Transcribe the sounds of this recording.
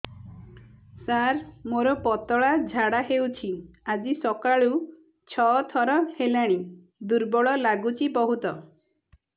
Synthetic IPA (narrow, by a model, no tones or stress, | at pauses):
saɾmoɾɔpɔt̪ɔɭad͡ʒʱaɽaɦewt͡ʃʰiad͡ʒisɔkaɭu | t͡ʃʰɔt̪ʰɔɾɔhelaɽ̃i | d̪uɾbɔɭɔlaɡut͡ʃʰibɔɦut̪ɔ